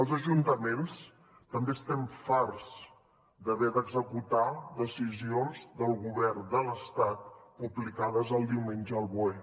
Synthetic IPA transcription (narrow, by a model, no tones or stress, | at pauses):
əlˠzəʒunt̪əmens | t̪əmbest̪ɛɱfarz | d̪əβɛd̪əɡzəkut̪ad̪əsizionzd̪əlˠɣuβɛrd̪ələst̪at̪̚puβlikaðəzəlˠd̪iwmenʲʒəːlˠβue